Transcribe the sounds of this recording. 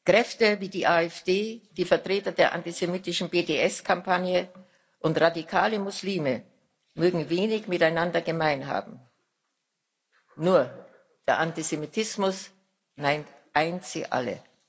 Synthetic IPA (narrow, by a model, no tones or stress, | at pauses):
kʁ̥ɛftəviːdiːʔaːɛfd̥eːd̥iːfɛɐtʁ̥eːtɐdeːɐʔa̰ntizemiːtɪʃn̩beːdeʔɛskʰampʰanjə | ʔʊntʁadikʰaːləmʊsliːmə | møːɡŋ̩veːnɪçmɪtaɪnandɐɡəmaɪnɦa̰ːbm̩ | nuːɐ | d̥eːɐʔantizemitʰɪsmʊs | naɪntʔaɪnt͡sḭʔa̰lə̰